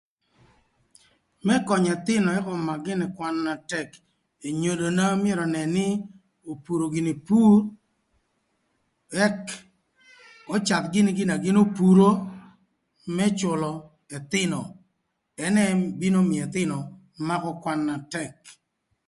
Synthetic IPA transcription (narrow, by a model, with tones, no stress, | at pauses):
mɛ˦kɔ˨ɲɛ˨t̪ɪ˦nɔ˨ɛ˦kɔ˨ma˨ɡɪ˦nɪ˨kwa˦nːa˨tɛ˦k | e˨ɲo˨do˨na˦m˦ɛ˦ɾɔ˨nɛ˨nɪ˦ | o˨pu˨ɾo˨ɡɪ˨ni˨pu˦r | ɛ˦k | ɔ˦t͡ʃa˨t̪ɡɪ˦nɪ˦ɡɪ˦na˨ɡɪ˦no˦pu˨ɾo˦ | mɛ˦t͡ʃʊ˨lɔ˨ | ɛ˨t̪ɪ˦nɔ˨ | ɛ˦nɛ˦bi˦no˦mɪ˨ɛ˨t̪ɪ˦nɔ˨ | ma˦kɔ˦kwa˦nːa˨tɛ˦k̚